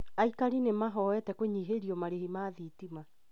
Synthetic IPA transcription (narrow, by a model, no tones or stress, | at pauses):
aikaɾinemaɦɔwɛtɛkoɲiɦeɾiɔmaɾehimaðitima